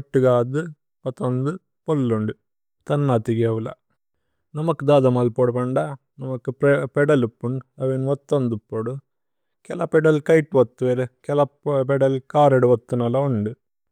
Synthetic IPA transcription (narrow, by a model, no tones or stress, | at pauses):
ɐʈːɯɡaːd̪ɨ | pɐt̪ːɐnd̪ɯ | polːuɳɖu | t̪ɐnːaːt̪iɡeʋlɐ̰ | nɐmɐkːɯd̪aːd̪ɐmaːlpoːɽupɐɳɖa | nɐmɐkːɯppɛɽɐlipːuɳɐʋenʋɔt̪ːɐnd̪upːoːɽu | kɛlaːpɛɖɐlkɐjʈːʋɐt̪ːuʋeɾɯkɛlɐpɛɖɐlkaːɾɐɽuʋɐt̪ːunɐlɐuɳɖu